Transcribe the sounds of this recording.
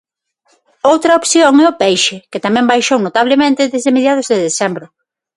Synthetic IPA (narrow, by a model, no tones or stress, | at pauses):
owt̪ɾɐopθjoŋɛʊpɛjʃɪkɪt̪amɛ̃mbajʃownot̪aβ̞lɪmẽnt̪ɪðezðemeðjað̞ʊzðeðesɛmbɾʊ